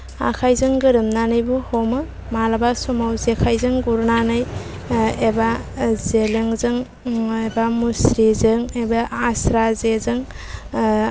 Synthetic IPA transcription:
a̰kʰajzɯŋɡɯɾɯmnanɯjbuhomɯ | malabasɔmawzekʰajzɯŋɡuɾnanɯj | ebazeleŋzɯŋ | ebamusɾizɯŋebaasɾazezɯŋ

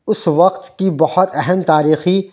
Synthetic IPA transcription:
ʊsʋɐqt̪kibɐhɔt̪ɛɦɛmt̪aːɾiːxi

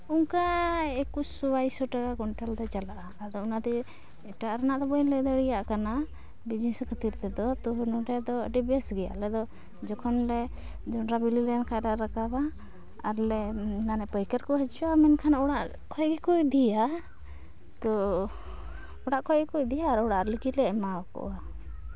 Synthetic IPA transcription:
ɔŋkaɛkusubajsɔʈakakɔɳʈald̪ɔt͡ʃalaʔaːd̪ɔunad̪ɛ | ɛʈaʔɾanaʔd̪ɔbɔjlɛd̪ɔɽijaʔkana | bid͡ʒiskʰət̪iɾt̪ɛd̪ɔt̪ɔɦnɔɖɛd̪ɔəɖibɛsɡɛja̰ʔlɛd̪ɔ | d͡ʒɔkʰɔnlɛ | d͡ʒɔnɾabililɛjankʰajɾaʔɾakaba | aɾlɛnanɛpəjkəɾkɔɦɛt͡ʃuamɛnkʰanaɔɽaʔ | kʰɔjɡɛkujd̪ija | t̪ɔ | ɔɽaʔkʰɔjɡɛkucd̪ijaːɾɔɽaʔlikilɛʔmakɔ̰wa

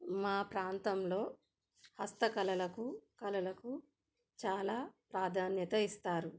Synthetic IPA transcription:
maːpɾaːnt̪ɐmlo̞ː | hɐst̪ɐkɐlɐlɐkukɐlɐlɐku | t͡ʃaːlaːpɾaːd̪ʱaːnjɐt̪ɐist̪aːɾu

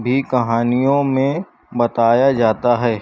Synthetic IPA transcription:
bʱikɐɦaːnijõmẽ | bɐt̪aːjad͡ʒaːt̪aɦɛː

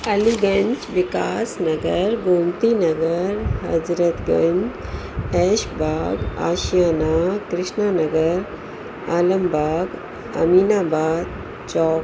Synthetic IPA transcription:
ɐliɡəɲt͡ʃʋikaːsnɐɡəɾɡomt̪inɐɡəɾɦɐ̰d͡zɾət̪ɡɐ̰̃ɲd͡ʒɛʃbʱaːɡa̰ːɕjanakɾɪʂɳanəɡəɾ | aːləmbʱaːɡ | ɐ̰miːnaːbaːd̪̚ | t͡ʃɔːk

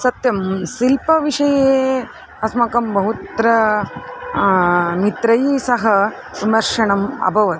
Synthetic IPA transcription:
sɐt̪jɐmsilpɐʋiʂɐjeː | ɐsmɐkɐmbɐɦut̪ɾɐ | mit̪ɾɐjsɐɦɐ | ʋimɐɾʂɐɳɐmɐ̰bʱɐʋɐt̪

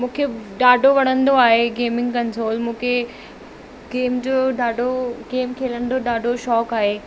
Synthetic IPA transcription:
mũːkʰeɖaːɖʱoʋɐɽ̃ə̃nd̪oaːɦeɡeːmɪ̃ŋɡkɐnsoːlmũːkʰe | ɡeːmd͡ʑoːɖaːɖʱoɡeːmkʰeːlə̃nd̪oɗaːɖʱoʃɔːkaːɦe

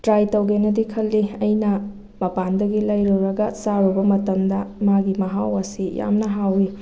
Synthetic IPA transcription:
tɾajtɐwɡenɐdikʰɐlːiɐjnɐ | mɐpandɐɡilajɾuɾɐɡɐsaɾubɐmɐtɐmdɐmaɡimɐɦawɐsija̰mnɐɦawju

